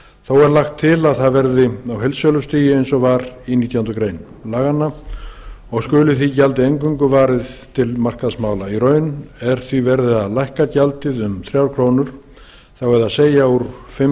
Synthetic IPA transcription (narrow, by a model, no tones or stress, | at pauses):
θowɛɾlaxt̪ʰːɪlaðθaðvɛɾðɪawɦelsœlʏst̪iːjɪejnsɔvaɾiniːt̪jaant̪ʏkɾejn | laːɣanːa | ɔɣskʏːlʏθicalt̪ɪejŋkʏŋkʏvaːɾɪðt̪ʰɪlmar̥kaðsmaːwlairœːɥnɛɾ̥θvivɛɾðɪaðlajhkacalt̪ɪðʏmθɾjawɾkʰɾoːwnʏɾ̥ | θawɛðaseːjauɾfɪm